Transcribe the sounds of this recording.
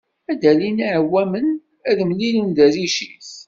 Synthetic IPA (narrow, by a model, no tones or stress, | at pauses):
æd̪æliniʕəwːæmən | æðmlinund̪æziʃiθ